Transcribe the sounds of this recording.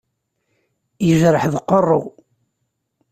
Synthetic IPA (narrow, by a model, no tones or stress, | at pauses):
jəʒɾəħðəqːərˤːoʁ